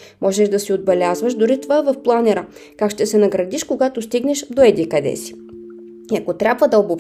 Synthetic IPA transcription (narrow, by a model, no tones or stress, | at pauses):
mʔɔʒɛʒd̪ɐsiod̪̚bɛlʲazvəʃd̪ʊɾit̪ovaɛvɐfplˠanɛɾə | kakʃt̪ɛsɛnɐɡɾɐd̪iʃkoɡat̪ost̪iɡnɛʃd̪oɛd̪ikɐd̪ɛ̰si̥ | iɐkot̪ɾʲabvəd̪ɐobop